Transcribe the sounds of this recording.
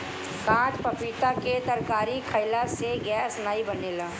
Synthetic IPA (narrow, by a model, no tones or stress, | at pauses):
kãːt͡ʃpɐpiːt̪aket̪ɐɾkaːɾikʰəɪlaseɡɛːsnaːibɐneːlaː